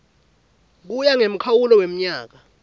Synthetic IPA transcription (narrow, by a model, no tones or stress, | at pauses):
k̬ujaŋem̩kʰawulɔwem̩ɲaːk̬a